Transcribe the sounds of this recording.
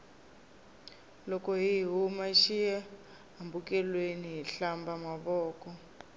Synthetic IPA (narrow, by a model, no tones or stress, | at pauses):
lɔkɔɦiɦiɦumaʃijɛ | ɦambukɛlweniɦiɬambamaβɔːkɔ